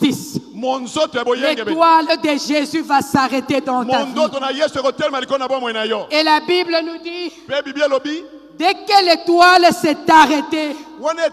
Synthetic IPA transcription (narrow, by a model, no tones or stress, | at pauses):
ismonzotojabojɛ̃eɡewald̪eʒezyvasaʁɛted̪ɑ̃tmandotonajesuekotɛlɛmalikonabmwɛnajɔelabiblənud̪ipebibialobi | d̪ɛkɛletwalsɛtaʁɛtewane